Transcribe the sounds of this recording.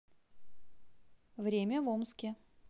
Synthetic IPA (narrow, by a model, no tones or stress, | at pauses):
vɾʲemʲəvomskʲɪ